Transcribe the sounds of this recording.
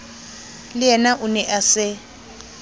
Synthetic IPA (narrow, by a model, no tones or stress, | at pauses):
lɪjɛnaʔunɛʔasɪ